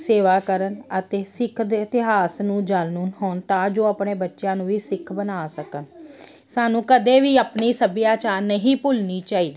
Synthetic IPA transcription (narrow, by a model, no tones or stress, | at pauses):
seːʋaːkəɾənət̪eːsɪkʰd̪eɪt̪ɪɦaːsnũːd͡ʒaːlnunɦoːnt̪ãːd͡ʒoːaːpneːbətːʃjãːnũːʋiːsɪkʰbənaːsəkən | saːnũːkəd̪eːʋiːəpniːsəbɪjaːt͡ʃaːɾnəɦĩːpʊlniːt͡ʃaːiːd̪iː